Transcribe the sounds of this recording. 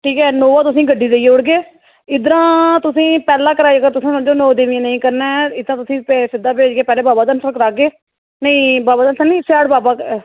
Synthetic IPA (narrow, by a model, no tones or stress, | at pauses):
ʈʰiːkɛːnoːʋãːt̪ʊsĩːɡəɖːiːd̪eiʊɽɡeː | ɪd̪əɾãːt̪ʊsĩːpɛːlãːkəɾaːiəɡəɾt̪ʊsãːnd͡ʒoːnoːd̪eːʋɪẽːnəĩːkəɾnɛːɪd̪ãːt̪ʊsĩːpːsɪd̪ːaːpeːd͡ʒɡeːpɛːleːbaːbaːd̪ənsəkəɾaːɡeː | nəĩːbaːbaːd̪ənsənĩːsɛːɽbaːbaːkː